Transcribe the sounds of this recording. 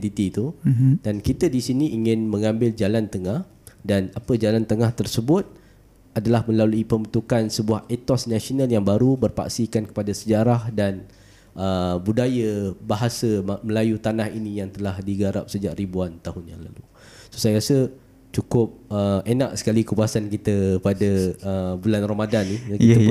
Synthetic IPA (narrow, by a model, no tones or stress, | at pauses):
t̪it̪it̪udankit̪ədisiniʔiŋɪ̃nmə̃ŋãmbɪld͡ʒalant̪əŋah | danapəd͡ʒalant̪əŋaht̪ərsəbʊt̪̚ | adalahmə̃laluipəmət̪ukansəbuahet̪ɔsnasionaljaŋbaɾubərpa̰ksikankə̥padasəd͡ʒaɾahdan | ʔəbudajəbaɦasəməlajut̪anahinijaŋt̪əlahdiɡaɾa̰p̚səd͡ʒaʔribuant̪aɦʊnjaŋla̰lu | so̥sajaɾasə | t͡ʃukʊp̚əenaʔsə̥kalikəpuasankit̪əpadaəbulanromadanːiakiə